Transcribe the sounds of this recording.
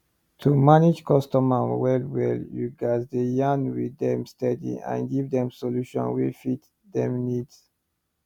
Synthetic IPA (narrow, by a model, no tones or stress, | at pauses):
tʰumanid͡ʒkʰɔstɔmawɛlwɛljuɡazd̪əjãnwidɛ̃mstɛdḭã̰nɡivd̪ɛ̃msoluʃɔ̰̃nwifit | d̪ɛ̃mnids